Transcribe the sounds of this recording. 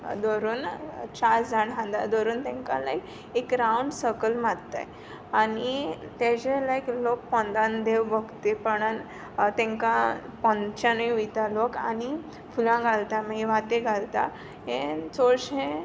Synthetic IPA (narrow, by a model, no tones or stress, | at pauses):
d̪oɾuːnt͡ɕad͡zʱaɽɦãnd̪a̰d̪oɾuːnt̪ɛ̃ŋka̰la̰ek | ekɾauɳɖsəkəlmadt̪a̰j | anit̪ed͡ʑelaeklok̚pɔ̃nd̪ãnd̪eʋbəɡt̪epəɽan | t̪ɛ̃ŋkã | pɔ̃nd̪t͡ɕãniujt̪aloka̰ni | fulãɡʱalt̪amaiʋat̪eɡʱalt̪a̰ | ɦẽt͡soɾɕẽ